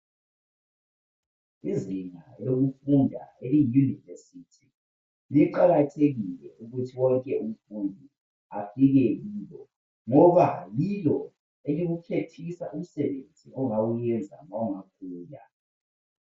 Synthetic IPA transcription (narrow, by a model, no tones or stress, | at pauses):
iziŋaloɣufundʱa̰elijunivesitʰi | jɛǃaɣatʰeɣilɛʔuɣutʰiwɔŋkʼɛum̩fundʱi | afiɣɛliːlɔ | ŋɔβalilɔ | eliɣukʰetʰisa̰ʔum̩sɛβend͡zʱḭʔɔŋawujɛnd͡zʱa̰mauŋak̚ʰuːja̰